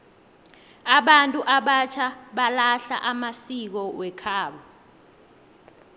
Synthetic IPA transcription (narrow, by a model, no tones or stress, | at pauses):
aɓantʼuʔaɓat͡ʃʰaɓalaɬa̰ʔamasik̬ɔwɛkʰaːɓɔ